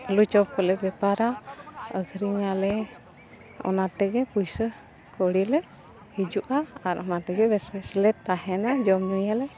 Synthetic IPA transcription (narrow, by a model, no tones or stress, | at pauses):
əlut͡ʃɔp̚kɔlɛbɛpaɾaəɡʱɾiŋalɛ | ɔ̰nat̪ɛɡɛpujsə | kɔɽilɛ | hid͡ʒuʔaaɾɔnat̪ɛɡɛbɛsbɛslɛt̪ːaɦɛnad͡ʒɔmnujalɛ